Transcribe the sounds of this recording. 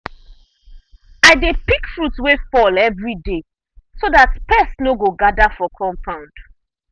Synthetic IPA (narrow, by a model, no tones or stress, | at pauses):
aɪdepikfɹutwefɔlɛvɹide | soðatpɛsnoɡoɡadafɔkʰɔ̃mpʰãʊ̃nd̥